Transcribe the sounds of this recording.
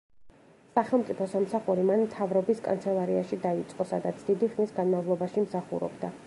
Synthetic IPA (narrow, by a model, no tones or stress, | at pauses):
saχɛlˠmt̪sʼipʰɔsamsaχuɾimanmt̪ʰavɾɔbiskʼa̰nt̪sʰɛlˠaɾiaʃid̪ait̪sʼqʼɔsad̪at̪sʰd̪̥id̪iχnisɡanmavlˠɔbaʃimsaχṵɾɔ̰bd̪a